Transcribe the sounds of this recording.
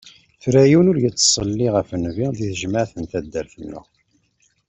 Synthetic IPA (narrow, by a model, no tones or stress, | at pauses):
θɾæjinʊɾjət͡sːsˤəlːiʁəfənviðiθəʒmaʕθənt̪æd̪ːəɾθənːʊ̰